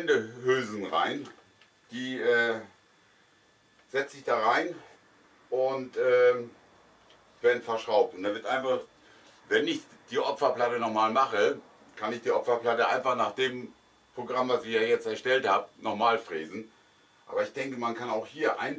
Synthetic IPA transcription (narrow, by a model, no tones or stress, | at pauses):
ɛndəhøːzn̩ʁa̰ɪn | d̥iːʔɛː | z̥ɛt͡səɪçd̥aːʁaɪn | ʔʊntʔɛː | veːɐdn̩fɛɐʃʁ̥aʊp̚tʊntd̥anvɪɐtʔaɪnfaχ | vɛnɪçd̥iːʔɔpfɐplatənɔχmaːlmaχə | kʰanɪçd̥iːʔɔpfɐplatəʔa̰ɪnfaχnaːχd̥eːm | pʁ̥oɡʁamvasɪjaːjɛt͡stɛɐʃtɛlthaːbənɔχmaːlfʁeːzn̩ | ʔa̰ːbɐɪçd̥ɛŋkəmankʰanaʊxhiːɐʔa̰ɪn